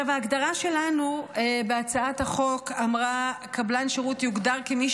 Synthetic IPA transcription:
avaːɡd̪aʁaʃe̞lanubeat͡saathaχo̞kamʁa | kablanʃeʁutjuɡdaʁkemiʃ

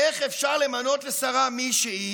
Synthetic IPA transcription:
eχefʃaʁlemano̞t̪lesaʁamiʃehi

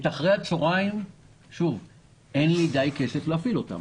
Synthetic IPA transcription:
t̪aχʁejat͡so̞ʁaim | ʃuv | ʔenlid̪ajke̞se̞fleafilo̞t̪a̰m

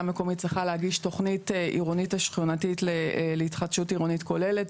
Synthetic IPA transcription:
meko̞mit̚t͡sʁiχalehaɡiʃto̞χnitʔḭʁonitaʃχjonatitleleitχadʃutiʁonitko̞le̞let

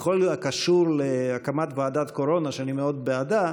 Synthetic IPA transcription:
χolakaʃuɾleakamat̪vaːd̪at̪ko̞ɾo̞naʃeanimeo̞d̪̚bead̪a

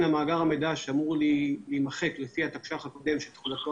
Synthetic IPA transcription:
namaːɡaʁamed̪aʃamuʁlilimaχe̞klefihat̪akʃaχhako̞d̪e̞mʃelt̪χulat̪o

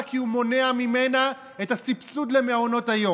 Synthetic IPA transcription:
kiumo̞neamimena | etasipsud̪lemeaono̞tajo̞

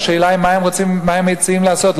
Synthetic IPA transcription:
ʃeːlaimːaemʁot͡simːaemːejt͡siimlaasot̪l

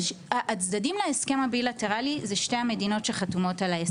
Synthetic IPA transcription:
ʔat͡sdadimlaeske̞mabilate̞ʁalizeʃtejhamedino̞tʃeχatumo̞talae

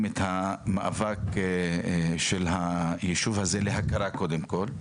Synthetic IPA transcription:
met̪hamaʔavak | ʃelɦajeʃuvhazeleɦakaɾakod̪emkol

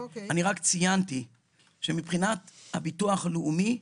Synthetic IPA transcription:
aniʁakt͡sijanti | ʃemipχinatha̰bituaχaloumi

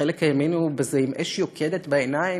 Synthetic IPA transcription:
elekajamenubezeimʔeʃjokʰedet̪baenai

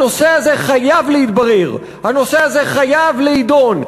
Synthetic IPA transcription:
o̞se̞aze̞χajavleit̪baʁeʁ | hano̞se̞aze̞χajavleid̪o̞n

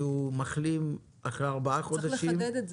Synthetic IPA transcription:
umaχlim | ʔaχʁeaʁbaaχod̪aʃimd̪

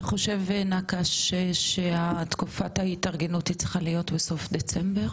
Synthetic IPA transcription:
χo̞ʃe̞vnakaʃeʃeat̪kufathaitaʁɡe̞nutit͡sχalijo̞tbeso̞fd̪e̞t͡sembeʁ

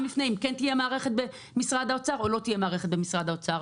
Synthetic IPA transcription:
mlifnejimkent̪ijemaːʁe̞χet̪̚be | misʁad̪aot͡saʁo̞lo̞t̪ijemaːʁeχet̪̚bemisʁad̪aot͡saʁ

